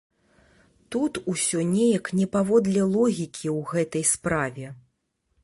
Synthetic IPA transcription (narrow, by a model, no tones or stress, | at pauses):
t̪ut̪usʲɔnʲejɐknʲɛpavɔd̪lʲɛlˠɔɣʲikʲʰiwɣɛt̪ɐjspɾavʲɛ